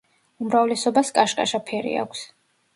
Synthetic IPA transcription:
umɾavlɛsɔbaskʼaʃkʼa̰ʃapʰɛɾḭa̰kʷʰs

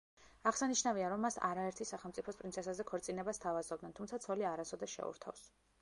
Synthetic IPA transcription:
aʁsaniʃnaviaɾɔmːasa̰ɾaɛɾt̪ʰisaχɛlˠmt̪sʼipʰɔspʼɾinsʰɛsazɛkʰɔɾt̪sʼinɛbast̪ʰavazɔb̚d̪nɛnt̪ʰumt̪sʰat̪sʰɔliaɾasɔd̪ɛʃɛ̰ṵɾt̪ʰa̰fs

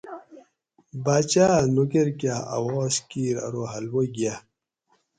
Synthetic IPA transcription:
baːt͡ɕaːnoɡeɾkjaa̰wɔːskiːɾɐ̰ɾoɦɐlwoɡja

